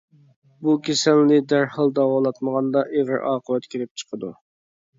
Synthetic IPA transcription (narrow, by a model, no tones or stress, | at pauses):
bukʲʰesɛlnɪd̪æɾhɑlˠd̪ɑwɑlˠɑt̪məʁɑnd̪ɑʔeʁəɾʔɑːqʰəwɛt̪kʲʰeɾɪp̚t͡ʃʰə̥qʰəd̪u